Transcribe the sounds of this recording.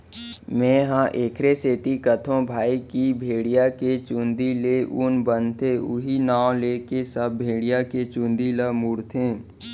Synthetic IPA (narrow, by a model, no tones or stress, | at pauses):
mɛ̃ːɦãʔeːkʰɾeseːt̪ikət̪ʰõbʱaːikibʱeːɽijaket͡ʃũːnd̪ileʔʊnbənt̪eʊɦinãːõlekesəbbʱeːɽijaket͡ʃũːnd̪iləmʊɽt̪ʰẽː